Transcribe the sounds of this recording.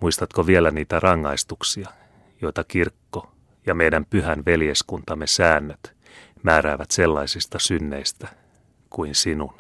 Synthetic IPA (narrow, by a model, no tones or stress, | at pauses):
muist̪ɑt̪koʋielæniːt̪ærɑŋːɑist̪uksiɑ | joit̪ɑkirkːo | jɑmejdæmpyhænʋeljeskunt̪ɑmːesæːnːøt̪ | mæːɾæːʋæt̪selːɑisist̪ɑsynːeist̪æ | kuinsinun